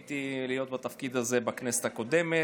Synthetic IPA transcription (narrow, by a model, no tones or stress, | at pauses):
t̪ilijo̞t̪bat̪afkid̪azebaknese̥t̪ako̞d̪eme